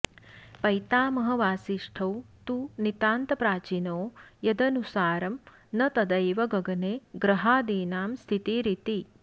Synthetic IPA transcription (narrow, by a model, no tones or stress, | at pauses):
pɐjt̪aːmɐɦɐ̆ʋaːsiʂʈʰɐwt̪uːnit̪aːnt̪ɐpɾaːt͡ʃinoːjɐd̪ɐnusaːɾɐm | nɐt̪ɐd̪ɐjʋɐɡɐɡɐneːɡɾɐɦaːd̪iːnaːmst̪ʰit̪iɾit̪i